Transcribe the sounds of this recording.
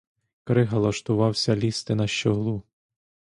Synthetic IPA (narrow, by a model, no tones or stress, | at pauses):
kɾɪɦɐlˠɐʃt̪ʊʋɑwsʲɐlʲist̪ɪnɐʃt͡ʃɔɦlˠu